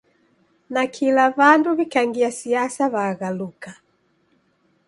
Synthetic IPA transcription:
nakʰilaβanduβikaŋɡiasiasaβaːɣaluka

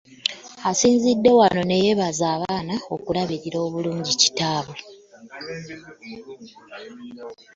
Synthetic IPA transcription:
asiːɲzidːe̞wano̞ne̞je̞βazaːβaːnao̞kulaβiɾiɾo̞ːβuluːɲɟici̥taːβu

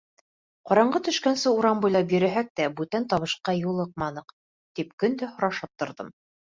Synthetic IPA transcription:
qɑɾɑɴɢɤt̪ɵ̆ʃkænsɘuɾɑmbujlˠɑpjɵ̆ɾæɦæk̚t̪æbʉt̪ænt̪ɑβɤ̆ʃqɑjulˠɤq̚mɑnɤq | t̪ip̚kɵ̆nd̪æhŏɾɑʃɤp̚t̪ŏɾðɤm

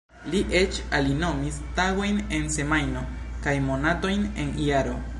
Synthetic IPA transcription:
liʔet͡ʃalino̞mistaɡo̞jne̞nse̞majno̞ | kajmo̞nato̞jne̞niaɾo̞

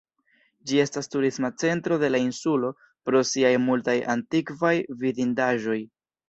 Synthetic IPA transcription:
d͡ʒie̞stastuɾismat͡se̞ntɾo̞de̞lainsulo̞ | pɾo̞siajmultaja̰ntikvajvidindaʒo̞j

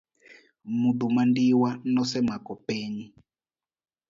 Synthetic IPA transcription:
mud̪umandiwanɔsɛmakɔpeːɲi

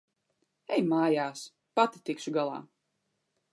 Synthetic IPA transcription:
ɛjmaːjaːs | pat̪i̥t̪ikʃuɡalˠa̰ː

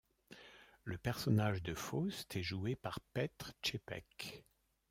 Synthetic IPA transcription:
ləpɛʁsɔnaʒd̪əfost̪ʰɛʒuepaʁpɛt̪χt͡ʃepɛ̰k

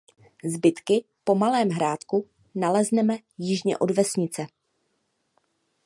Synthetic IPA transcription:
zbɪt̪kɪ | po̞malɛːmɦɾaːt̪ku | nalɛznɛmɛ | jɪʒɲɛ̰ʔo̞dvɛsɲɪt͡sɛ

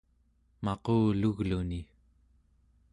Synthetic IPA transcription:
mɑquːluɣluni

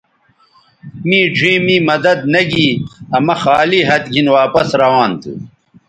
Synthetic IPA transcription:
miːd͡ʑʱĩːmiːmɐd̪ɐd̪nɐɡiːɐmɐxaːliːɦɐt̪ɡʱinwaːpɐsɾɐwaːnt̪ʰṵ

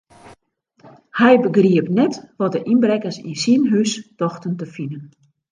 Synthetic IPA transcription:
hɛjbəɡriəpnɛtʋɔt̚dəʔinbrɛkəsḭnsinɦystɔxtəntəfinən

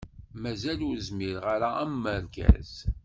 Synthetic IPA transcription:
mæzælʊɾəzmiɾʁaɾaæmːəɾɡæ̰z̥

